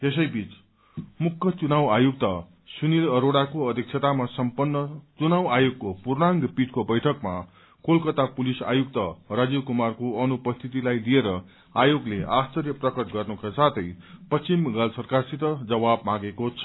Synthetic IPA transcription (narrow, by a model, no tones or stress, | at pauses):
es̬ʌjbit͡s | mukʰːʌt͡sunawajuk̚t̪ʌ | sunilʌɾoɽakoʌd̪ʱik̚t͡sʰʌt̪amasʌmpʌnːʌt͡sunawajoɡ̚kopurnaŋɡpid͡zkobʌjʈʰʌkma̰ | kolkʌt̪apulisa̰juk̚t̪ʌrad͡zikumarkoʌnupʌst̪ʰit̪ilajlieɾʌ | ajoɡleʔast͡sʌrjʌprʌkʌt̪ɡʌrnukasat̪ʰʌjpʌst͡simɡalsʌrkarsit̪ʌd͡zʌbabmãɡekot͡sʰʌ̥